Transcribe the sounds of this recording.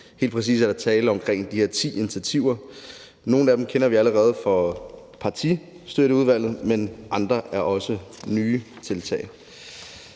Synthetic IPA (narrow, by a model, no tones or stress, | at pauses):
he̝̰ːl̥pʰʁɛs̬ḭːsæɐɾ̥ɑ̈t͡sʰɛːləɒ̽mkʰʁeŋ̰d̥ihe̝ɐ̰t͡sʰḭːinit͡sʰæt͡sʰiʊɐ | no̝ːn̩æd̥em̩kʰenɐʋiæləʁɛːð̞̩ˠfɒ̽ | pʰɑ̈t͡sʰi | sd̥øɾəuð̞ˠʋæl̰ð̞̩ˠmenʔɑ̈nd̥ʁɐʔæɐʔɒ̽sənyː | t͡sʰe̝lt͡sʰɛ̰ɪ